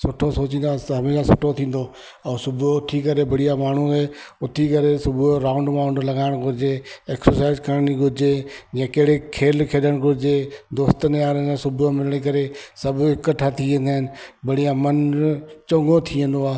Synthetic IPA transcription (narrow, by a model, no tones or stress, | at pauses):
sʊʈʰosoːt͡ɕĩːnd̪at̪ɦɐmeːʃasʊʈʰot̪ʰĩːn̆d̪o | ɛ̃ːsʊbʱoʊt̪ʰikɐɾebɐɽijamaːɳ̤uɦɛʊt̪ʰikɐɾesʊbʱɾaːʊ̃ɳɖmãːʊ̃ɳɖlɐɡaːɪɽ̃ɡʱʊɾɪd͡ʑeeːksəɾsaːɪzkəɾniɡʱʊɾd͡ʑejɛ̃ːkɐɦɪɽekʰeːlkʰeːɗəɽ̃ɡʱʊɾɪd͡ʑed̪oːst̪ənjaːɾənẽsʊbʱʊomɪləɽ̃ek̬ɐɾesɐbɪkəʈʰat̪ʰiʋẽːnd̪aːɪnɪ̆bɐɽijamɐnt͡ɕõːŋɡot̪ʰiə̃n̆d̪oaː